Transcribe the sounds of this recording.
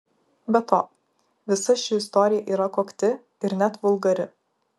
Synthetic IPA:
bʲɛt̪ʰo̰ː | ʋʲɪsɐʃʲɪɪst̪ɔːɾʲɪjɛʔiːɾɐkoːkt̪ʲɪ | ɪɾnʲæt̪ʋʊlˠɡɐɾʲɪ

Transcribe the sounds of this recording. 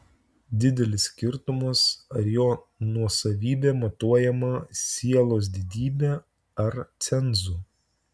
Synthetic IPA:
d̪ʲɪd̪ʲɛlʲɪsʲːkʲɪɾt̪ʊmɐsɐɾjoː | nuɔsɐʋʲiːbʲeːmɐt̪uɔjɛmɐsʲiɛlˠoːs̬d̪ʲɪd̪ʲiːbʲeː | ɐɾt̪sʲɛnˑzuː

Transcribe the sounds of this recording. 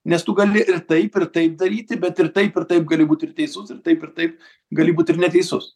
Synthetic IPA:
nʲɛst̪ʊɡɐlʲɪʔɪrt̪ɐɪpɪɾt̪ɐɪp̚d̪ɐɾʲiːt̪ʲɪbʲɛt̪ɪrt̪ɐɪpɪɾt̪ɐɪp̚ɡɐlʲɪbuːt̪ʲɪrtʲɛɪsʊsɪɾt̪ɐɪpɪɾt̪ɐɪp̚ | ɡɐlʲɪbuːt̪ʲɪɾnʲɛt̪ʲɛɪsʊs

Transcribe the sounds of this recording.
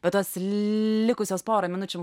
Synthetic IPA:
b̥ʲɛt̪ɐslʲɪkʊsʲoːspɑːɾɐmʲɪnʊt͡ʃʲɛm

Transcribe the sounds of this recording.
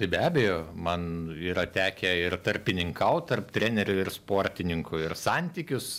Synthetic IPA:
t̪ɐɪbʲæːbʲɛjoːmɐniːɾɐt̪ʲæːkʲɛɪrt̪ɐrʲpʲɪnʲɪŋkɐʊt̪ɐrpt̪ʲɾʲæːnʲɛɾʲʊɪrspoːɾʲt̪ʲɪnʲɪŋkʊɪrsɑnʲt̪ʲiːkʲʊs

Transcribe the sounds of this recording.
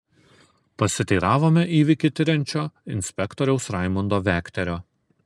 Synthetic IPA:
pɐsʲɪt̪ʲiːɾɑːʋoːmʲɛʔiːʋʲɪkʲɪt̪ʲɪɾʲɛnʲt͡ʃʲoːɪnʲsʲpʲɛkt̪ɔɾʲɛʊsɾɑˑɪmɔnd̪oːʋʲæːkʲt̪ʲɛɾʲoː

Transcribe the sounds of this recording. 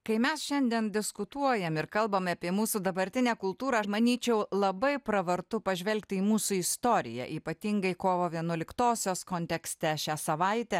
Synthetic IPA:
kɐɪmʲɛsʃʲɛnʲd̪ʲiɛnd̪ʲɪskʊt̪uɔjɛmɪɾkɐlˠbɐmɐpʲiɛmuːsud̪ɐbɐɾʲt̪ʲɪnʲæːkʊlˠt̪uːɾɑmɐnʲiːt͡ʃʲɛʊlˠɐbɐɪpɾɐʋɐɾt̪ʊpɐʒʲʋʲɛlʲkt̪ʲɪiːmuːsʊɪst̪oːɾʲɪ̰jɛ̰ʔiːpɐt̪ʲiŋɡɐɪkoːʋoːʋʲiɛnuɔlʲɪkt̪oːsʲoːskoːnʲt̪ʲɛksʲt̪ʲɛʃʲæːsɐʋɐɪt̪ʲɛ

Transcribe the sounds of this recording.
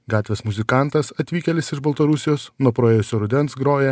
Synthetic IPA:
ɡɑːt̪ʲʋʲeːsmʊzʲɪkɑˑnt̪ɐsɐt̪ʲʋʲiːkʲɛlʲɪsɪʒbɐlˠt̪ɐɾʊsʲɪjoːsnuɔpɾoːeːjʊsʲoːɾʊd̪ʲɛnsɡɾoːjɛ

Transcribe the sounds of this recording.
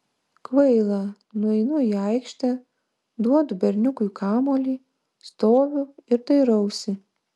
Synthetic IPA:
kʋɐɪlˠɑ | nʊɛɪnʊjiɑɪkʃʲt̪ʲɛ | d̪uɔd̪ʊbʲɛɾʲnʲʊkʊjkʰɑːmoːlʲiː | st̪oːʋʲʊɪɾt̪ɐɪɾɐʊsʲɪ

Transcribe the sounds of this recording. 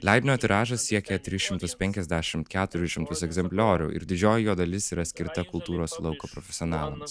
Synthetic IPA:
lʲɛɪd̪ʲnʲoːt̪ʲɪɾɑːʒɐssʲiɛkʲɛt̪ʲɾʲɪsʃʲɪmt̪ʊspʲɛŋʲkʲɛzʲd̪ʲæːʃʲɪmt̪kʲæːt̪ʊɾʲʊʃʲɪmt̪ʊsɛɡzʲɛmʲpʲlʲoːɾʲʊ̰ɪ̰ɾd̪ʲɪd͡ʒʲoːjɪjoːd̪ɐlʲɪsiːɾɐsʲkʲɪɾt̪ɐkʊlˠt̪uːɾoːslˠɐʊkoːpɾɔfʲɛsʲɪɔnɑːlˠɐms

